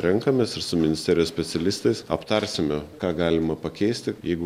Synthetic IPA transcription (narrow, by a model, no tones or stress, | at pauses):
ɾʲɛŋkɐmʲeːsɪɾsʊmʲɪnʲɪsʲt̪ʲɛːɾʲɪjoːsʲpʲɛt̪sʲɛlʲɪst̪ɐɪsɐpt̪ɐɾʲsʲɪmʲɛkɑːɡɑːlʲɪmɐpɐkʲɛɪsʲt̪ʲɪjɛɪɡʊ